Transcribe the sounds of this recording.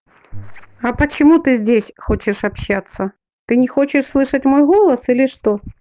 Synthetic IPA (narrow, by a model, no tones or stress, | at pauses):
ɐpət͡ɕɪmut̪ɨzʲdʲesʲxot͡ɕɪʂɐpɕːat̪sːə | t̪ɨnʲɪxo̞t͡ɕɪʂslˠɨʂətʲmo̞jɣo̞lˠəsilʲɪʂt̪o̞